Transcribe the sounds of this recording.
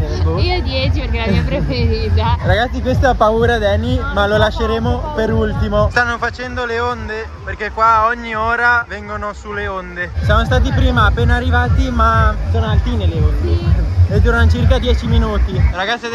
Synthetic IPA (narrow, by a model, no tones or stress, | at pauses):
oiod̪jɛt͡ʃiperkelavipɾefeɾiːt̪araɡat̪sːikwest̪oapːauːɾad̪ɛnimalolaʃːeɾeːmopeɾult̪imost̪anːofat͡ʃɛnd̪oleond̪e | perkekːwaɔɲːioːɾavɛŋɡonosuleond̪esjamost̪aːt̪̬ipɾiːmaːpːeːnaarːivaːt̪imasoːnoalt̪inelːeond̪eed̪uɾanot͡ʃirkad̪jɛːt͡ʃiminuːt̪iraɡat̪sːi